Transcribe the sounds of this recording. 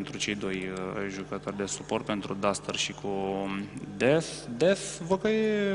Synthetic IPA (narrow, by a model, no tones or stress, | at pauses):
nt̪ɾut͡ʃe̞jd̪o̞jʒukət̪o̞rʲd̪e̞supo̞rt̪̚pe̞nt̪ɾud̪ast̪ərʃikʰu | d̪eθd̪eθvokəje